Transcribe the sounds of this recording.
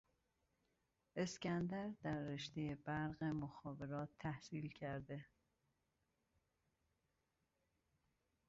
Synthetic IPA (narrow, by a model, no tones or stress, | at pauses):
e̞scænd̪æɾd̪æɾːeʃt̪ejebæɾɣemoxɒːve̞ɾɒːt̪ʰːæhsiːlcʰæɾd̪e̞